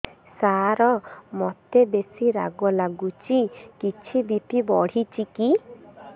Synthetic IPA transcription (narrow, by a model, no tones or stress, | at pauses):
saɾɔmɔt̪ebesiɾa̰ɡɔlaɡut͡ʃikit͡ʃʰibipibɔɽ̤it͡ʃiki